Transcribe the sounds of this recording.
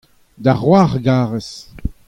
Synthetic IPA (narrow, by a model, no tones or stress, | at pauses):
d̪aʁwaʁɡaːʁɛs